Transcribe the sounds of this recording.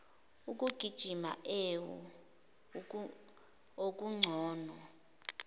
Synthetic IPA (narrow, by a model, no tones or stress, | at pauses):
uk̬ʼuɡ̥ʱid̥ʒ̥ʱima̰ʔewɔ̰ | ok̬ʼuŋ͡ǀʱɔːnɔ